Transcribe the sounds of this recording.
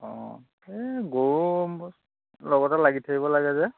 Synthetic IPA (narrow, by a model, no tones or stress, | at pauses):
ɔ̃ | ɛɡoum | lɔɡɔtalaɡitʰakibɔlaɡɛzɛ